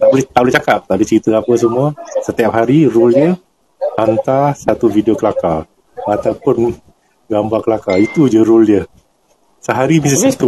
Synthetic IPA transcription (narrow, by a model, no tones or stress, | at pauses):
t̪aʔbolɛht̪aʔbolɪht͡ʃakap̚t̪aʔbolɪht͡ʃəɾit̪əapəs̬əmuasət̪ijap̚ɦaɾiruljə | ant̪asat̪uvidiokəlaka | at̪awpʊn | ɡambarkəlakait̪ud͡ʒəɾuljəh | səɦaɾimisasit̪u